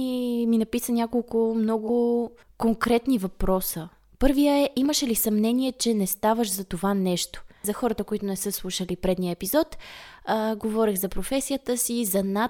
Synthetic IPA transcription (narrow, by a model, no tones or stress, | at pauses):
iminɐpisənʲakolˠkʊmnɔɡʊʊkoŋkɾɛt̪nivɐpɾɔsə | pɤɾviəɛʔiməʃɛlisɐmnɛniɛt͡ʃɛnɛst̪avəʃzɐt̪ovanɛʃt̪o̥zɐxɔɾət̪əkoit̪ʊnɛsɤslˠuʃəlipɾɛd̪nijəɛpizɔt̪ | ɡovɔɾiɣzɐpɾofɛsijət̪əsizɐna